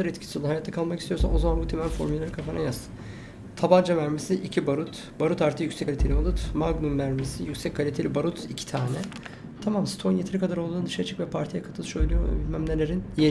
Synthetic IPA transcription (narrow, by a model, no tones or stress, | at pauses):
aɾɛt̪cʰi̥siolːˠahajat̪ːakʰalˠmakist̪ijo̞ɾsa̰no̞zamanbut̪ʰemænfo̞ɾmylʲelʲeɾikʰafanajasɯ̥ | t̪ʰaband͡ʒamæɾmesiʔicʰibaɾut̪ | baɾut̪aɾt̪ʰɯjycsɛalʲit̪ʰelʲibalˠɯt̪maɡnumvæɾmesijycʲsɛc̚ʲkʰːalʲit̪ʰelʲibaɾut̪icʰi̥t̪ʰaːnɛ | t̪ʰamamsi̥t̪ʰo̞njet̪eɾikʰad̪aɾo̞lˠd̪uːnd̪ɯʃaɾɯt͡ʃʰɯ̥kvɛpʰaɾt̪ʰijɛkʰat̪ʰɯlˠʃøjlʲˠijo̰bilʲmæmlʲelʲeɾinje